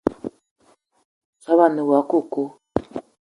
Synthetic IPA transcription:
sa˦βa˦˨ne˨wa˨˦ko˦˨ko˦

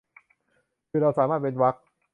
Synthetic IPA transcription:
kʰɯː˧˩ɾa˧wsaː˩˦maː˥˩t̪̚pe˧nwa˦˥k̚

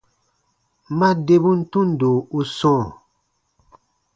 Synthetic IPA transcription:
ma˦de˦bu˦n̩˦tu˦n̩˨do˨u˦sɔ̃ː˦˨

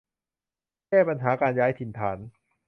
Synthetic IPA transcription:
kɛː˥˩pa˧nɦaː˩˦kaː˧njaː˦˥jt̪ʰi˧nt̪ʰaː˩˦n

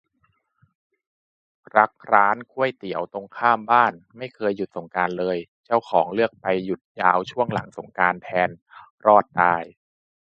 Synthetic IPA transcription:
ɾa˦˥k̚ʰɾaː˦˥nkʰu˥˩əjt̪i˨˩˦əwt̪o˧ŋkʰaː˥˩mbaː˥˩nma˥˩jkʰɤː˧jːu˨˩t̪̚so˩˦ŋkaː˧nlɤː˧jt͡ɕa˥˩wkʰɔː˩˦ŋlɯ˥˩ək̚pa˧jːu˨˩t̪̚jaː˧wt͡ɕʰu˥˩əŋla̰˩˦ŋso˩˦ŋkaː˧nt̪ʰɛː˧n | ɾɔː˥˩t̪̚daː˧j

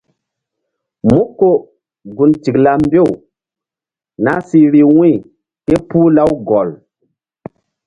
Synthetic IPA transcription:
mu˦kːo˨ | ɡu˨nti˨kla˦m˦be˦˨w | na˦si˦ɾi˨wĩ˦˨ | ke˦pu˦la˦wɡɔ˨l

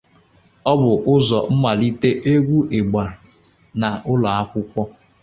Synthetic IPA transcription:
ɔ˦bʊ˨ʔʊ˦zɔ˨m̩˦ma˨li˦te˦ʔe˦ɡʷu˦ʔe˨ɡ͡ba˨ | na˨ʔʊ˦la˨a˦kʷʊ˦kʷɔ˦

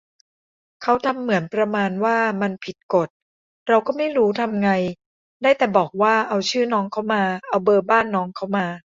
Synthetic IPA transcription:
kʰa˦˥wt̪ʰa˧mːɯ˨˩˦ənpɾa˧maː˧nwaː˥˩ma˧npʰi˨˩t̪̚ko˨˩t̪̚ | ɾa˧wkɔː˥˩ma˥˩jɾuː˦˥t̪ʰa˧mŋa˧j | daː˥˩jt̪ɛː˨˩bɔː˨˩k̚waː˥˩ʔa˧wt͡ɕʰɯː˥˩nɔː˦˥ŋkʰa˦˥˩wmaː˧ʔa˧wbɤː˧baː˥˩nːɔː˦˥ŋkʰa˥˩wmaː˧

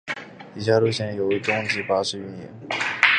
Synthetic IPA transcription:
i˧˩ɕja˥lu˥˩ɕjɛ˧˥njo˨˩ʊ˧˥˩ʈ͡ʂʊ˥ŋ˥ŋt͡ɕi˥˩pa˥ʂɻ̩˥y˧˥njɛ̰˧˥n

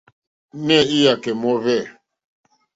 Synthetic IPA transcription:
nɛ˦˨i˦ja˨kɛ˨mɔ˦βɛ˦˨

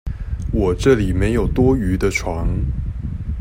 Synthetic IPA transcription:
wɔ˨˩ʈ͡ʂɤ˥˨li˨˩me˧˥ɪjo˨˩ʊt̪wɔ˥y˧˥d̪ə˧ʈ͡ʂʰwɑ˧˥ŋ

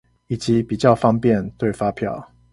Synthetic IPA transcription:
i˨˩t͡ɕi˨˦pi˨˩t͡ɕjɑ˥˨ʊfɑ˥ŋpjɛ˥˨nt̪we˥˨ɪfa˦pʰjɑ̰˥˨ʊ

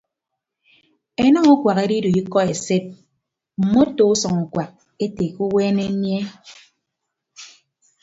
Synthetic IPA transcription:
e˦nɔ˦ŋu˦kwa˨ke˦di˦du˨i˦kɔ˦e˨se˦t̚ | m̩˨mo˦to˨u˦sɔ˨ŋu˨kwa˨k̚ | e˦te˨ku˦weː˦ne˦nje˦

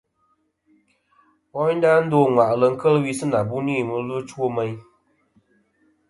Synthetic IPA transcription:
wɔ˦n̩˦da˦n̩˦doː˦˨ŋwa˨ʔlə˨ŋ̩˦kə˦lwi˦sɨ˦na˨bu˦niː˦˨mɨ˨lɨ˦t͡ʃwo˦mə˦j

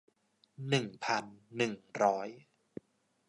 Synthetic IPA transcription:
nɯ˨˩ŋpʰa˧nːɯ˨˩ŋɾɔː˦˥j

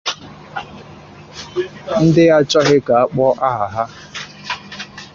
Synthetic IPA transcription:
n̩˦dɪ˦ja˦t͡ʃɔ˦ɦɪ˦ka˨a˦k͡pɔ˦ʔa˦a˨ɦa˦

